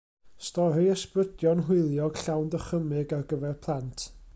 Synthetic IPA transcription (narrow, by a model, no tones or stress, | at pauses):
stɔɾɨəsprədjɔnɦɪjlˠjɔɡ̥ɬawndəχəmɪɡarɡəvɛrpʰlˠantʰ